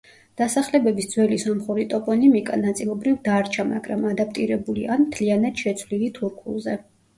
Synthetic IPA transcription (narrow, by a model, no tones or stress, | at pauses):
d̪̥asaχlɛbɛbisd̪zwɛlisɔmχuɾit̪ʼɔpʼɔnimikʼa̰nat̪sʼilˠɔbɾivd̪aɾt͡ʃʰama̰ɡɾa̰mad̪ap̚ʰt̪ʼiɾɛbulianmt̪ʰlianat̪ʃɛt̪sʰvlilit̪ʰuɾkʰṵlˠzɛ